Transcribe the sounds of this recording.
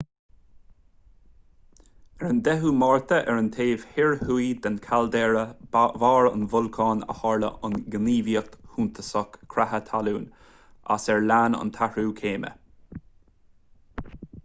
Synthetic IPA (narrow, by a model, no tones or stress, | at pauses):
ɛɹənd̪ɛɦuːmɑːɹt̪ʰəʔɛɹənt̪ʰeːvhɪɹhuid̪ankʰald̪ɛːɹəvɑːɹə̰nvʊlkʰɑːnə̰hɑːɹlə̰ʔʊnɡəniːviəkt̪huːnt̪ʰəsɔkkʰːɾahət̪ʰaluːn | a̰sɛɹlaːnə̰nt̪ʰahɹuːkʰeːmə̰